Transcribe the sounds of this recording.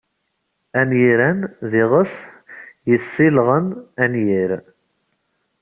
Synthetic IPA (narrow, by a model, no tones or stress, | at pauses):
ænjiɾænðiʁəθ | jəsːilʁənænjiɾ